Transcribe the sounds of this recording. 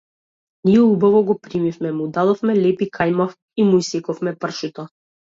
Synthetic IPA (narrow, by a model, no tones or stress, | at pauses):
niɛubavɔɡɔpɾimifmɛmud̪ad̪ɔfmɛlɛpikʰajmaf | imuisɛkɔfmɛpr̩ʃut̪ɔ